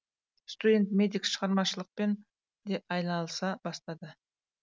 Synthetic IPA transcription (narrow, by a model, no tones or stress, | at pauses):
st̪udʲe̞nt̪mʲe̞d̪ikʃəʁɑɾmɑʃəlˠəq̚pe̞n | d̪e̞ʔɑjnɑlˠəsɑbɑst̪ɑd̪ə